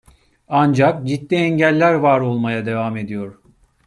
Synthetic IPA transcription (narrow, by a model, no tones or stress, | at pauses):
and͡ʒakd͡ʒit̪ːiɛɲɟælʲːæɾvaɾo̞lˠmajad̪e̞vame̞d̪ijo̞ɾ̥